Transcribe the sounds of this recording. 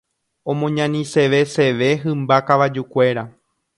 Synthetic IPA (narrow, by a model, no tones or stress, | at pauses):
õ̞mõɲãnĩse̞ʋe̞se̞ʋe̞ɦɨ̃mbakaʋad͡ʒukʷe̞ɾa